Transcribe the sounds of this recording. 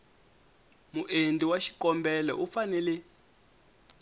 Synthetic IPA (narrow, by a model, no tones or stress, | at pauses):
muʔendiwaʃi̥kɔmbɛlɛ̰ʔufanɛlɛ